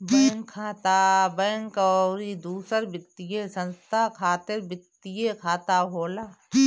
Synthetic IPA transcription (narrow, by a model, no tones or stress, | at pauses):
bɐːŋkʰːaːt̪abɛ̃ːŋkoɾid̪uːsəɾbɪt̪ːijesə̃nst̪ʰaːkʰaːt̪ɪɾbɪt̪ːijekʰaːt̪aːɦoːlaː